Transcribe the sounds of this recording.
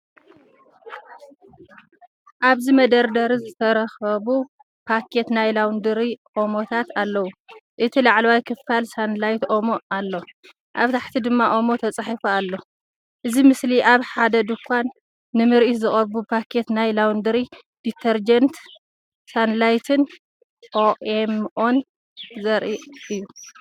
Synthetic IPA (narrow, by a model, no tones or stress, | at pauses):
ʔaβzimɐd̪ɐɾd̪ɐɾizɨt̪ʰɐɾɐxɐβu | pʰakʰe̞t̪najlawnd̪ɨɾiʔʼo̞mot̪ʰat̪alːɐwuʔɨt̪ʰilaʕlɐwajkʰɨfalsanlajt̪ʔomoalːo | ʔaβt̪ʰaħt̪ʰid̪ɨmːaʔomo̞t̪ʰɐt͡sʼaħifoalːo̞ | ʔɨzimɨsliʔaβħad̪ɐd̪ɨkʰʷanː | ɨmɨɾʔit̪zɨχʼɐɾbupʰakʰe̞t̪najlawnd̪ɨɾi | d̪̥it̪ʰɐɾd͡ʒɐnt̪ | sanlajt̪ʰɨn | ʔoemʔo̞n | zɐɾʔiʔɨjːu